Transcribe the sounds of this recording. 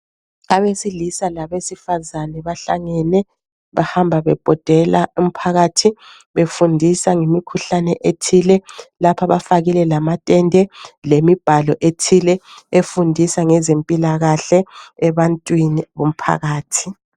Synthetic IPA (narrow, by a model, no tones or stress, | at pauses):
aβesilisalaβesifazanɛβaɬa̰ŋɛnɛ | βahambʱaβɛb̥ʱɔd̥ʱɛlaum̩pʰaɣatʰi | βefundʱisaŋimikʰuɬanɛʔetʰilɛlapʰaβafaɣilɛlamatʼɛndʱɛlemib̥ʱalɔʔetʰilɛefundʱisaŋɛzempʼilaɣaɬɛːβantʼwiniβum̩pʰa̰ɣaːtʰi̥